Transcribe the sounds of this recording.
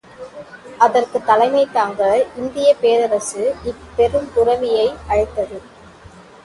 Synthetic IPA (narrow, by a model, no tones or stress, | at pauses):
ʔɐðɐrkɯt̪ːɐlɐɪmɐɪt̪ːaːŋɡɐɭɪnd̪ɪjɐpeːðɐɾɐsɯɪpːɛɾɯmpʊɾɐʋɪjɐɪʔɐɻɪt̪ːɐðɯ